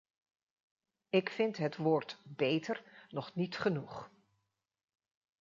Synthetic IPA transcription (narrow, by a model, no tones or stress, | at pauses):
ɪkfɪntɦətʋoːɹtbejtəɹnɔχnitχənuχ